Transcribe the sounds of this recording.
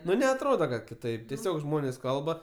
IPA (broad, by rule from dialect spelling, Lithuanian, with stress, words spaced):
ˈnʊ nʲɛɐtˈroːdɐ kɐt kʲɪˈtɐɪp tʲɛˈsʲoːk ˈʒmoːnʲeːs ˈkɐlˠbɐ